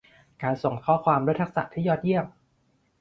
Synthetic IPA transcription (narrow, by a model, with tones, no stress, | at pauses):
kaː˧nso˨˩ŋk̪ʰɔː˦˥kʰwaː˧mɾu˦˥t̪ʰk̚sa̰˨˩t̪ʰiː˥˩jɔː˦˥˩t̪̚ji˥˩əm̚